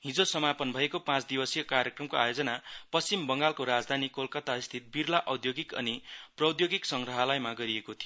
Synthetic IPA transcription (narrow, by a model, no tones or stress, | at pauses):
ɦĩd͡zosʌmapʌnbʱʌekopãt͡sd̪ibʌsjʌkarjʌkrʌmkoajod͡zʌnapʌst͡simbʌŋɡalkoɾad͡zd̪ʱanikolkʌt̪aist̪ʰit̪̚birlaʔʌwd̪joɡikʌ̰niprʌd̪joɡiksʌŋɡrʌɦʌlʌjmaɡʌɾiekot̪ʰio